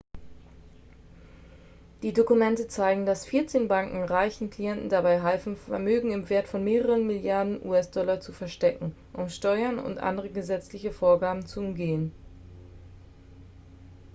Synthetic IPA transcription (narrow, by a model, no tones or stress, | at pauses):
d̥iːdokumɛntət͡saɪɡŋ̩dasfiːɐt͡seːnbaŋkŋ̩ʁaɪçn̩kl̥ijɛntn̩dabaɪɦɛlfn̩fɛɐmøːɡŋ̩ɪmveːɐtfɔnmeːʁəʁənmɪljaɐdn̩ʔṵːɛsd̥ɔlɐt͡sufɛɐʃtɛkŋ̩ | ʔʊmʃtɔʏɐnʊ̰ntʔa̰ndəʁəɡəzɛt͡slɪçəfoːɐɡaːbm̩t͡suʊmɡeːən